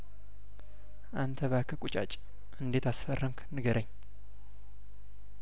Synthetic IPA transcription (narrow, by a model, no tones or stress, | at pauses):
ʔant̪ʰəβakʰəkʼut͡ʃʼa̰t͡ʃʼ | ʔɨnd̪e̞t̪asfərːəmknɨɡəɾʔəɲː